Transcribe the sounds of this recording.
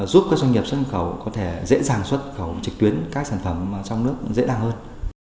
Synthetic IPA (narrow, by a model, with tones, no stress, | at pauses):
zu˦˥p̚kaː˦˥k̚zwa˧jŋi˨˩p̚sə˦˥t̚xə˧˩wkɔ˨˦t̪ʰe˧˩zḛ˧˥zaː˨˩ŋswə˦˥t̚xə˧˩wt͡ɕɨ˨˩k̚t̪i˨˦ənkaː˦˥k̚saː˧˩nfə˧˩m˨˩t͡ɕɔ˧wŋ͡mnɨ˦˥ək̚zḛ˧˥ɗaː˨˩ŋhəː˧n